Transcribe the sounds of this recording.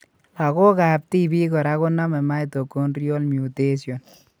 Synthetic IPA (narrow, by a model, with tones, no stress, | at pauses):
a˨ko˦ka˨p̚ti˦bi˦kɔ˨ɾa˦kɔ˦na˦mɛ˨ma˦jto˨ko˦nɾjo˦lmju˨te˦sjɔ˨n